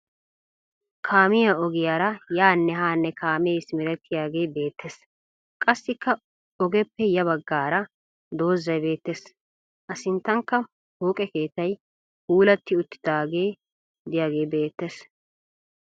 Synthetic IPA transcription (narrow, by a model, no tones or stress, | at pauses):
kʰaːmɪjaɔɡɪjaːɾɐjaːnːɛhaːnːɛkaːmɛsmɪɾɛt̪ʰːɪjaːɡe̞ːbe̞ːt̪ʰːeːs | kʼɐsːɪkːɐ | ɔɡɛpːɛjɐβɐɡːaːɾɐ | d̪o̞ːzːɐjbe̞ːt̪ːes | ʔɐsɪnt̪ːɐŋkːɐ | hoːkʼɛke̞ːt̪ːɐj | huːlɐt̪ːɪʊt̪ːɪ̥d̪aːɡe̞ː | d̪ɪjaːɡe̞ːbe̞ːt̪ːes